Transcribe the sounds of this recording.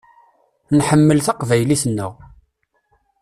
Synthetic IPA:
nħəmːəlθɑqvæjliθənːə̰ʁ

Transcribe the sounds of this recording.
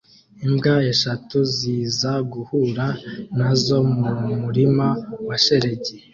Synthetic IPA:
imbɡaeʃatuziːzaɡuhuɾanazo̞mumuɾimawaʃe̞ɾe̞ɟe

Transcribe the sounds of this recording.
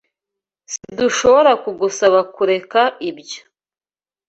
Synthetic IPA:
siduʃo̞βoɾakuɡusaβakuɾe̞kaʔibjo̥

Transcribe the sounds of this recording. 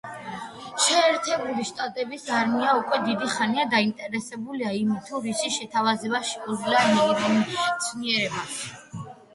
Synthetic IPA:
ʃɛːɾt̪ʰɛbɾiviʃt̪ʼat̪ʼɛbisaɾmiaukʼwɛd̪id̪iχaniad̪aint̪ʼɛɾɛsɛbuliaimit̪ʰuɾisiʃɛt̪ʰavazɛbaʃɛɔzlamɛɔɾɛmʃt̪sʰniɛɾɛbas

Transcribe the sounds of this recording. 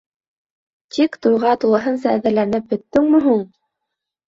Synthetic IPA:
t̪ikt̪ujʁɑt̪ulˠɤ̆ɦɤns̬ɑːðɘ̆ɾlænɘp̚bɵ̆t̪ːɵŋmɘ̆ɦuɴ

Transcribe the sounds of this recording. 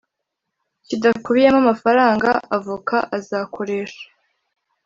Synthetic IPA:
cidakuβijemamafaɾaːŋɡaʔavukʰaʔazaːkʰo̞ɾe̞ːʃḁ

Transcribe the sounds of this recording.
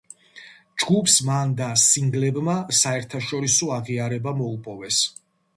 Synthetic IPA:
d͡ʒɡupʰsmand̪asiŋɡlɛbmasaɛɾt̪ʰaʃɔɾisɔaʁiaɾɛbamɔupʼɔvɛs

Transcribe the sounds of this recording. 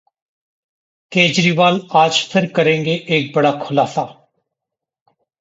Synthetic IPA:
keːd͡ʒɾiːʋaːlaːd͡ʒpʰɪɾkəɾẽːŋɡeːʔeːk̚bəɽaːkʰʊlaːsaː

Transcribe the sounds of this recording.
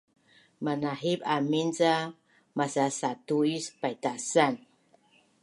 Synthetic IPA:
manaɦibaminza | masasatuispajtasan

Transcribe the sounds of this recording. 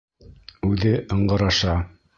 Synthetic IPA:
ʉðɘʔɤ̆ɴɢɤ̆ɾɑʃɑ

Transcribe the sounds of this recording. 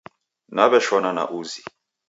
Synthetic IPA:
naβɛʃwanana̰ʔuzi

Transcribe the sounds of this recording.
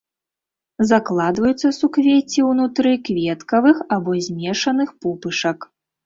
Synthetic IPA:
zaklˠad̪vɐjut̪sːɐsukvʲet͡sʲiwnut̪ɾɨkvʲɛt̪kɐvɨxabɔzʲmʲɛʂɐnɨxpɔpɨʂɐk

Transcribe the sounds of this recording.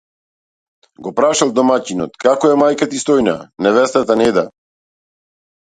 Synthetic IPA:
ɡɔpɾaʃalˠd̪ɔmacinɔ̰t̪kakɔɛmajkat̪ist̪ɔjna̰nɛvɛst̪at̪anɛd̪a

